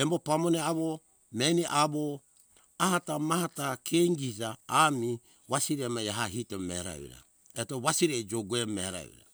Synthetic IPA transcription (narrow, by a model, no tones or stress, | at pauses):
embopamoneaβo | meniʔaβo | ahatamahatakʰeŋɡisaːmi | βasiɾemajaɦaɦitomḛɾa̰ṵɾa̰ | etoβasiɾed͡ʒoɡuemeɾa̰ṵɾa̰